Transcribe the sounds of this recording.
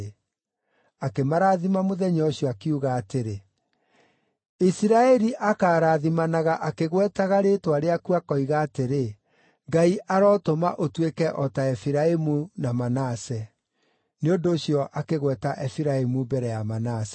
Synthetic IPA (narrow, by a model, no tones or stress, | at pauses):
akemaɾaːðimamoðɛɲɔɕjɔakeuɣaːteɾe | isiɾaɛɾiʔakaːɾaðimanaɣaʔakeɣwɛtaɣaɾetwaɾeakuakɔiɣaːteɾe | ŋɡaiʔaɾɔːtomaʔotwekɛʔɔtaɛfiɾaemunamanasɛ | neondoːɕjɔʔakeɣwɛtaʔɛfiɾaemubɛɾɛjamanasɛ̥